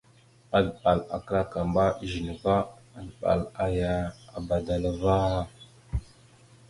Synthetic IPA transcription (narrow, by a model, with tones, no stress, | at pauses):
a˨dɓa˨la̰˨kə˦ɾa˦ka˨mba˦˨ʒi˨nə˨va˦ | a˨dɓa̰˨la˨ja˨a˨ba˨da˨la˨va˦ɾa˦